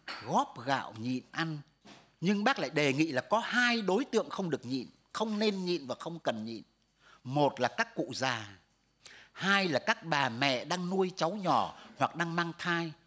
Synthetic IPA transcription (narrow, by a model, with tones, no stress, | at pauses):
ɣɔ˦˥p̚ɣa̰ː˧˨wɲḭ˧˨nʔa˧n | ɲɨ˧ŋɓaː˦˥k̚la̰ː˧˨jɗe˨˩ŋḭ˧˨laː˨˩kɔ˨˦haː˧jɗo˨˦jt̪ɨ̰˧˨əŋxə˧wŋ͡mɗɨ˨˩ək̚ɲḭ˧˨n | xə˧wŋ͡mne˧nɲḭ˧˨nvaː˨˩xə˧wŋ͡mkə˨˩nɲḭ˧˨n | mo˨˩t̚laː˨˩kaː˦˥kːṵ˧˨zaː˨˩ | haː˧jlaː˨˩kaː˦˥k̚ɓaː˨˩mɛ̰˧˨ɗaː˧ŋnu˧əjt͡ɕa˨˦wɲɔ˧˨˩hwa˨˩k̚ɗaː˧ŋmaː˧ŋt̪ʰaː˧j